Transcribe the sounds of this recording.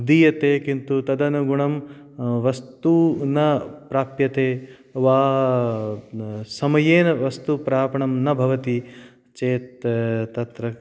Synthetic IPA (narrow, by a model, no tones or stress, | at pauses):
d̪ijɐt̪eːkint̪ut̪ɐd̪ɐnɐɡuɳɐm | ʋɐst̪unɐpɾaːpjɐt̪eː | ʋaː | sɐmɐjeːnɐʋɐst̪upɾaːpɐɳɐmnɐbʱɐʋɐt̪i | t͡ʃeːt̪t̪ːɐt̪ɾɐ